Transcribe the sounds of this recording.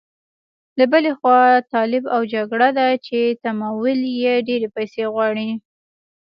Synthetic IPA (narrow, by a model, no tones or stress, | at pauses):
labəlexwɑt̪ɑlɪbawd͡ʒaɡɽad̪at͡ʃet̪amɑwʊljeɖeɾepajseɣwɑɽi